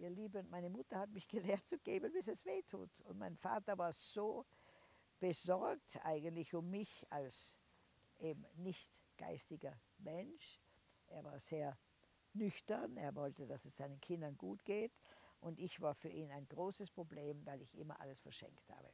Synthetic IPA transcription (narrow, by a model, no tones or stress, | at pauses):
ʔiːɐliːbənmaɪnəmʊtɐhatmɪçɡ̥əleːɐtt͡suɡ̥eːbənbɪsɛsv̥eːtʰṵːtʊntmaɪnfa̰ːtɐvaːɐz̥oː | b̥əz̥ɔɐk̚tʔa̰ɪɡəntlɪçʊmːɪçals | ʔeːbm̩nɪçtɡ̥a̰ɪstɪɡɐ | mɛnʃ | ʔeːɐvaːɐz̥eːɐ | nʏçtɐneːɐvɔltəd̥asɛsz̥aɪnənkʰɪndɐnɡuːtɡ̥eːtʔʊntɪçv̥aːɐfyːɐʔiːnaɪnɡ̥ʁoːsəspʁ̥obleːmvaɪlɪçʔɪ̰mɐ̰ʔa̰ləsfɛɐʃɛ̰ŋktha̰ːbə̰